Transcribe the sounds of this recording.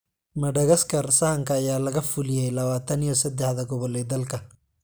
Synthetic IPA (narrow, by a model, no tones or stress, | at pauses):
mɐɖɐɣɐskʰɐrsɐhɐŋkʰɐːjaːlɐɣɐfʊlɪjɛjlɐβaːt̪ʰɐnijɔsɐd̪ɛħðɐɡɔβɔlɛːd̪ɐlkʰɐ